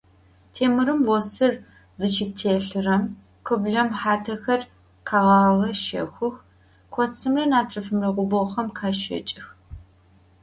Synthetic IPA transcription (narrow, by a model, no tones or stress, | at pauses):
tʰeːmɨɾɨmwɔsɨr | zɨt͡ʃʰitʰeːɬɨrɐm | kʰʷɨbɮɐmħaːtʰɐxɐr | qʰaːʁɑːʁɐʃɐ̰xʷʊx | kʷʰɔt͡sʰɨmrɐnaːtʰrɐfɨmrɐqʷʊbɔχɐmkʰaːʃɐ̰t͡ʃʼɪx